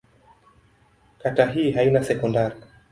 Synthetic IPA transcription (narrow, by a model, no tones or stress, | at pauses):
kataɦiːɦainasɛkɔndaɾi